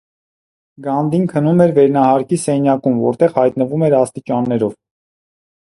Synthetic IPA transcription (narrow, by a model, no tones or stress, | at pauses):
ɡɑnd̪inkʰənumɛɾvɛɾnɑhɑɾkisɛnjɑkumvɔ̰ɾt̪ɛʁhɑjt̪nəvumɛɾɑst̪it͡ʃɑnːɛɾɔv